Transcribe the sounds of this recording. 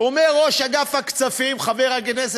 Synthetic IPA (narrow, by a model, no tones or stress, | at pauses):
omeʁːoʃaɡafhakt͡safimχaveʁakenes